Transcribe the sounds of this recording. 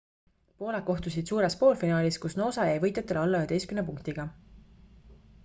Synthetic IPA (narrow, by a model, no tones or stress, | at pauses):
po̞ːlekko̞ht̪usid̪̥suːɾe̞spo̞ːlfinɑːlʲiskusno̞ːsɑjæjvɤjt̪ːˑet̪ːˑelolːɑøed̪e̞jskymnep̬uŋkt̪iɡ̥ɑ